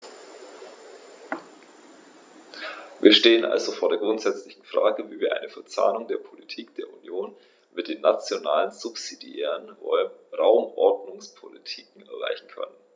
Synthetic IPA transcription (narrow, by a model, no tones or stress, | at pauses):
viːɐʃteːənʔa̰lzofoːɐdeːɐɡʁʊntz̥ɛt͡slɪçn̩fʁ̥a̰ːɡəviːviːɐʔa̰ɪnəfɛɐt͡sa̰ːnʊŋdeːɐpʰolitʰiːkd̥eːɐʔunjoːn | mɪt̚d̥eːnːat͡sjonaːlənzʊpsidiɛ̰ːʁənɔʁaʊmʔɔɐdnʊŋspʰolitʰiːkŋ̩ʔɛɐʁa̰ɪçn̩kʰœ̰nən